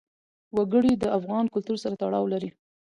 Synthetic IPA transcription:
waɡəɽid̪əafɣɑnkʊlt̪uɾsaɾat̪aɽɑwlaɾi

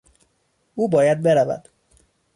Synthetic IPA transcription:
uːbɒːjæd̪̚be̞ɾævæ̰d̪̥

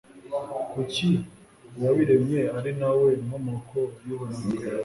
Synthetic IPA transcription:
kuci | waβiɾemɲeaɾinawemomokʰojuβana

